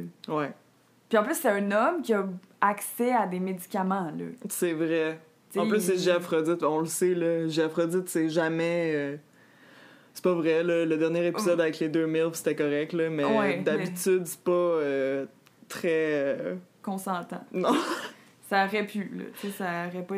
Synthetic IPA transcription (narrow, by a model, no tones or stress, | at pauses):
wɛ | piɑ̃plysːɛɛ̃nɔmkʲiɐ | aksɛad̪emed͡zikʲamɑ̃lə̰sɛvʁɛ | t͡sɑ̃pplyssɛʒeafχɔd͡zɪt̪̚bɛɔ̃ləselʌʒeafχɔd͡zɪt̪sɛʒamɛø | sɛ̥pʌvʁɛlʌləd̪ɛʁnjɛʁepizʌd̪avɛkled̪ømɪlfse̥t̪ɛkɔʁɛk̚t̪ləmɛwɛd̪abit̪yd̪sɛ̥pʌøø | t̪χɛøkɔ̃sɑ̃t̪ɑ̰̃nɔ̃ | saɔʁɛpʰylə̰t͡sesaɔʁɛp